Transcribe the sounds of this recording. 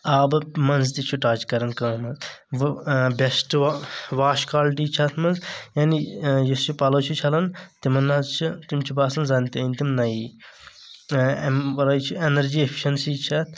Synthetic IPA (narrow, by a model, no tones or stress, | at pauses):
aːbmɐnzt̪it͡ʃʰuʈaːt͡ʃkɐɾɐnkɐːmɐt̪ | bʲɐsʈʋaːʃkaːlʈiːt͡ʃʰɐt̪ʰmɐnzjaːnijɐst͡ʃʰupɐlot͡ʃʰut͡ʃʰɐlɐnt̪imɐnːazt͡ʃʰit̪imt͡ʃʰibaːsɐnzaːnt̪iɐnʲt̪imnɐi | ʋɐɾaːt͡ʃʰienɐɾd͡ʒiːepʰi̥ʃɐnsit͡ʃʰɐt̪ʰ